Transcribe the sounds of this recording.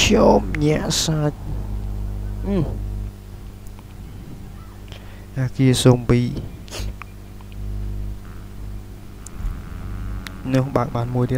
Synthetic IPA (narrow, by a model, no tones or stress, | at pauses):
kʰjoːmɲɛ̆əʔsaːc̚ | ʔaːkiəsoːmpiː | nʊəhɓaːk̚ɓaːnmuəjt̪iə